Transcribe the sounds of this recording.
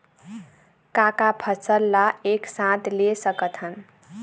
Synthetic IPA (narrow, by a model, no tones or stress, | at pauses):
kakapʰəsəlːaeksãt̪lesəkət̪ɦən